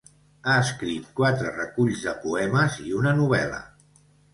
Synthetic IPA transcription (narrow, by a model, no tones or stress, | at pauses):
aəskɾit̪̚kwat̪ɾərəkuʎzðəpuɛməziunənuβ̞ɛlə̰